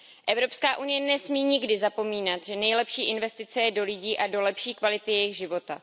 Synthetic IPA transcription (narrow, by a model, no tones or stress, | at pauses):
ʔɛvɾo̞pskaːʔunɪjɛnɛsmiːɲɪɡdɪzapo̞miːnat̪ʒɛnɛjlɛpʃiːʔɪnvɛst̪ɪt͡sɛjɛdo̞lɪɟiːʔado̞lɛpʃiːkvalɪt̪ɪjɛjɪɣʒɪvo̞t̪a